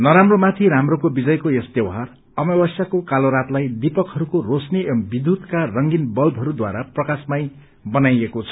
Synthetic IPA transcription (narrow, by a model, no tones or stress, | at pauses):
nʌɾamromat̪ʰiɾamrokobid͡zʌjkojʌst̪ewɦar | ʌmʌbʌsjakokaloɾat̪lajd̪ipʌkɦʌɾukorosnibid̪ʱut̪karʌŋɡinbʌlbʱɦʌɾud̪wa̰ɾaprʌkasmaj | bʌnajekot͡sʰʌ̥